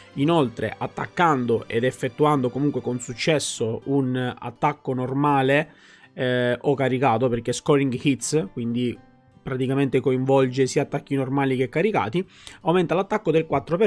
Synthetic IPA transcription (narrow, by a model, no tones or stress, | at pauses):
inolt̪ɾḛʔat̪ːa̰kːand̪oʔḛd̪efːet̪ːuand̪okomuŋkwekonsut͡ʃːɛsːouna̰t̪ːakːonormaːle | ʔokːaɾikaːt̪operk̟eskɔɾiŋɡhit̪skwind̪i | pɾat̪ikament̪ekoiɱvɔld͡ʒesiːat̪ːakːinormaːlik̟ekːaɾika̰ːt̪i | awment̪alat̪ːakːod̪elkwat̪ːɾope